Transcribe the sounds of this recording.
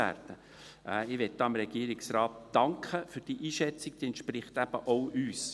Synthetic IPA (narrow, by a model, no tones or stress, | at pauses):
æ̰ːɾd̥ə | ʔɪʋɛt̚d̥ɑːmɾɛɡ̥iəɾɪksɾɑːt̚d̥ɑŋkʰχəfyɾd̥iːʔiːʃɛt͡sɪk̚d̥iɛntʃprɪχtæb̥əʔoʊʔyːs